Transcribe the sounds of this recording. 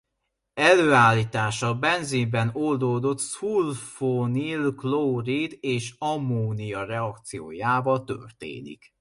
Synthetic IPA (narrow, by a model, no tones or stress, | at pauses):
ɛløːaːlːiːt̪aːʃɒbɛnzimbɛnold̪oːd̪o̞t̪sulfonilklowrid̪eːʃɒmːoːnijɒrɛɒkt̪sijo̰ːjaːvɒt̪ø̰rt̪ḛːnḭk